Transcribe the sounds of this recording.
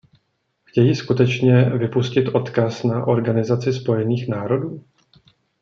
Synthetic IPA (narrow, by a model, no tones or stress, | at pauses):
xcɛjiskut̪ɛt͡ʃɲɛvɪpuscɪt̪ʔo̞t̪kasnaʔo̞ɾɡanɪzat͡sɪspo̞jɛniːxnaːɾo̞duː